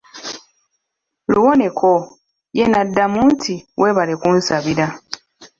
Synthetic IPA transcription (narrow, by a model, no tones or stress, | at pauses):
lṵwo̞ne̞kʰo | jenadːamuːntʰiwʔe̞ːβale̞kuːnsaβiɾa